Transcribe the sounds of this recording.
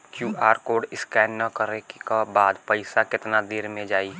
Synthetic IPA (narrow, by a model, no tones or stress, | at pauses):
kjuːʔaːɾkoːɖɪskɛːnːəkəɾekabaːd̪pəɪsakɪt̪nad̪eːɾmẽd͡ʒaːi